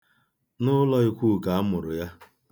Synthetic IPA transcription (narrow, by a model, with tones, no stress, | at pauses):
nʊ˦lɔ˦i˦kʷu˦˨ka˨a˦mʊ˨ɾʊ˨ja˦